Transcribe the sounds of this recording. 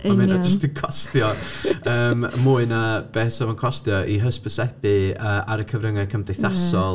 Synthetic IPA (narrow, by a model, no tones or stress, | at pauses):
amɛnad͡ʒəstəkʰɔstjɔəːmmuːɨnab̥ɛsəvənkʰɔstjɔʔiɦəspəsɛbɨəːaɾəkʰəvrəŋɛkʰəmdejθasɔlˠ